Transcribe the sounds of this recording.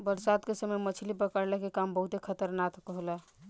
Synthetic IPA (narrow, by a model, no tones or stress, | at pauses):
bəɾsad̪kesəməjmət͡ʃʰlipəkəɾlekekambəɦut̪ekʰət̪əɾnat̪kəɦola